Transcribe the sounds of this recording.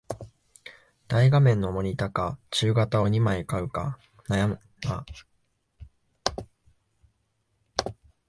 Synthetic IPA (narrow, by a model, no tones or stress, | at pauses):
d̪̥aiɡamẽ̞nːo̞mo̞ɲ̟it̪akat͡ɕɨːɡat̪ao̞ɲ̟imaikaɯ̟ka̰ | najam | ɡa